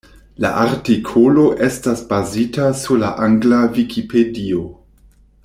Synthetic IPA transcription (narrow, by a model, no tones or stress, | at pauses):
la̰ʔaɾtikʰolo̞ʔe̞stasbazitasuɾlaʔaŋɡlavikʰipʰe̞dio